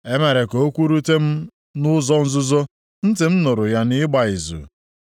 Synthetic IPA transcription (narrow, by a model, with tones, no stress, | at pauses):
e˦me˨ɾe˨ko˦kʷu˦ɾu˦te˦m̩˦ | nʊ˦zɔ˦n̩˦zʊ˦zo˦ | n̩˦tɪ˨m̩˦nʊ˨ɾʊ˨ja˦nɪ˦ɡ͡ba˨i˨zṵ˨